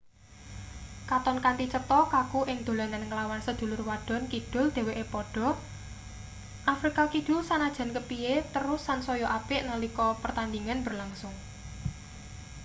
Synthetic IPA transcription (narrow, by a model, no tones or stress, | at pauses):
kat̪ɔnkant̪it͡ʃət̪ɔkakuʔɪŋd̪̥o̤lananŋəlawansəd̪̥ṳlʊrwaɖ̥ɔ̤nkid̪̥ʊ̤ld̪̥e̤weʔepɔɖ̥ɔ̤ | ʔafɾikakid̪̥ʊ̤lsanad̥ʒ̥ä̤nkəpiet̪əɾʊsːansɔjɔʔapɪʔnalikɔpərt̪and̪iŋanbə̤rlaŋsʊŋ